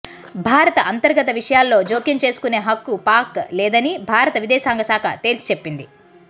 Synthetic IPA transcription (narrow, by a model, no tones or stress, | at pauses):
bʱaːɾɐt̪ɐʔɐnt̪ɐɾɡɐt̪ɐʋiʂɐjaːlːo̞ːd͡ʒoːkjɐɲt͡ʃe̞ːsu̥kune̞ːɦɐkːupaːɾklɛːd̪ɐnibʱaːɾɐt̪ɐʋid̪ɛːsaːŋɡɐsaːkʰɐ̰t̪e̞ːlsi̥t͡ʃepːind̪i